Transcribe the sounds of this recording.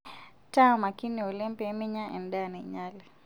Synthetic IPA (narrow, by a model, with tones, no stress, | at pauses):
ta˦ma˨ki˦niɔ˨lɛ˦mpɛ˨mi˦ɲa˦ʔɛ̰˨nɗana˨ɲali